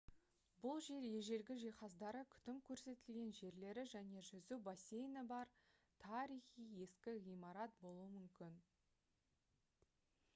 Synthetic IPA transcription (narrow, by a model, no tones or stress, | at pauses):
bʊlˠʒe̞ɾje̞ʒe̞lɡʲɪʒijχɑzd̪ɑɾəkʲʰʏ̥t̪ɪmkʲʰɵɾse̞t̪ɪlɡʲe̞nʒe̞ɾle̞ɾɪʒæne̞ʒʏzubɑse̞jnɪbɑɾ | t̪ʰɑɾijχije̞skʲɪʁijmɑɾɑt̪̚bo̞lˠuəmʏmkʲɪn